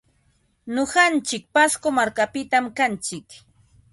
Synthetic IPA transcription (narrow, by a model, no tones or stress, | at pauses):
ɲoɢant͡ʃɪk̚paskomaɾkapɪt̪amkant͡ʃɪk